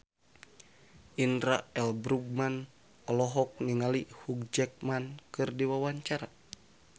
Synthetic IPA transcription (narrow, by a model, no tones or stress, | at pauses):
ʔinɾaɛlbɾuɡ̚man | ɔlɔɦɔk̚niŋalihuk̚d͡ʒɛk̚mankɨrdiwawaɲt͡ʃaɾa